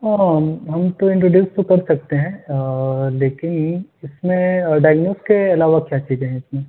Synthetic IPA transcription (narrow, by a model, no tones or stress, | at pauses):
aɦɐmt̪oɪ̃ɳʈɾoːɖjuːst̪okɐɾsɐk̚t̪eɦɛ̃ | leːkɪnɪsmẽɖajɡnoːskeɐlaːʋakjaːt͡ʃiːzẽɦɛ̃ɪsmẽ